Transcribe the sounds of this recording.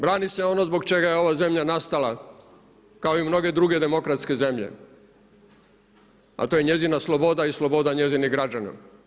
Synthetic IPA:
bɾaːnise̞o̞nozbo̞ɡt͡ʃe̞ɡajeo̞ʋaze̞mʎanast̪ala | kaoimno̞ɡe̞d̪ɾuːɡe̞d̪e̞mo̞kɾat̪ske̞ze̞mʎḛ | a̰t̪ojeɲe̞zinaslˠobo̞d̪aislo̞bo̞d̪aɲe̞ziniɡɾad͡ʒana̰

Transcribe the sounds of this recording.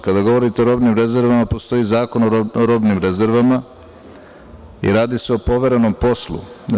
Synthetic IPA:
kad̪aɡo̞ʋo̞ɾit̪eoɾo̞ːbnimɾe̞zeɾʋamapo̞st̪o̞izaːko̞nooɾo̞ːbnimɾe̞ze̞ɾʋama | ḭɾaːd̪ise̞opo̞ʋe̞ɾe̞no̞mpo̞slṵ

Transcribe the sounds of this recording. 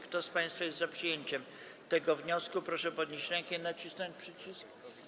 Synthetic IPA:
kt̪ɔspãj̃st̪fajɛst̪zapʂɨjeɲt͡ɕɛm | t̪ɛɡɔvɲɔskupɾɔʂɛpɔd̪ɲeɕɾɛŋkɛnat͡ɕisnɔɲt͡ɕpʂɘt͡ɕisk

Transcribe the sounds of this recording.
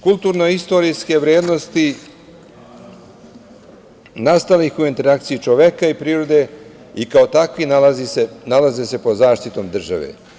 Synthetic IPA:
kulˠt̪uːɾnoist̪o̞ɾiske̞ʋɾjeːd̪no̞st̪i | nast̪alixuint̪e̞ɾak̚t̪sijit͡ʃoʋekaipɾiːɾo̞d̪e̞ | ikaot̪akʋinaazisenalazese̞pozaːʃt̪it̪o̞ːmd̪r̩ʒa̰ʋḛ

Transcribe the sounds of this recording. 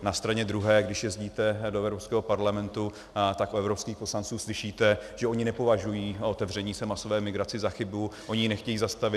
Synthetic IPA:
nast̪ɾaɲɛd̪ɾuɦɛːɡdɪʃjɛzɟiːt̪ɛdoɛvɾopskɛːɦopaɾlamɛnt̪u | t̪akʔuɛvɾopskiːxpo̞slant͡suːslɪʃiːt̪ɛʒ̥ɛo̞ɲɪnɛpo̞vaʒujiːot̪ɛvr̝ɛɲiːsɛmaso̞vɛːmɪɡɾat͡sɪzaxɪbuʔo̞ɲɪnɛxcɛjiːzast̪avɪ

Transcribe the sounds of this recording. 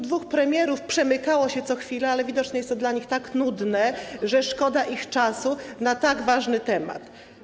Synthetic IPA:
d̪vuxpɾɛmʲjɛɾufpʂɛmɘkawɔɕɛt̪sɔxfʲilɛalɛvʲid̪ɔt͡ʂɲɛɛst̪ːɔd̪laɲixt̪aknud̪nɛʐɛʂkɔd̪aʔixt͡ʂasunat̪aɡvaʐnɘt̪ɛma̰t̪

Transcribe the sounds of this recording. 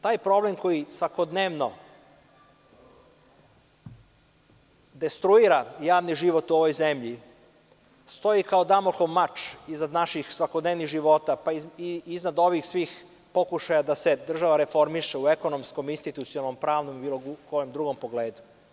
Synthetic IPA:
t̪aːjpɾo̞blemko̞jisʋako̞d̪neʋno̞ | d̪e̞st̪ɾuiɾajaːʋniʒiʋo̞t̪uo̞ʋo̞jzemʎi | st̪o̞ikaod̪amokoʋmat͡ʃiznad̪naʃixsʋako̞d̪neːʋniɣʒiʋo̞t̪apaiiznad̪oʋixsʋiːx | po̞kuʃajad̪ase̞d̪r̩ʒaʋaɾe̞fo̞ɾmiʃeueko̞no̞msko̞minst̪it̪ut̪sijonalno̞mpɾaːʋnomibiloɡuko̞jomd̪ɾuɡo̞mpo̞ɡleːd̪u̥

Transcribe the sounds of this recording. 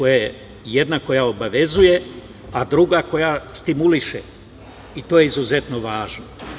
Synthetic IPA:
kojaje | jed̪nako̞jao̞baʋe̞zuje̞ | ad̪ɾuɡako̞jast̪imuliʃḛ | it̪o̞ːjeizuze̞t̪no̞ʋaːʒno

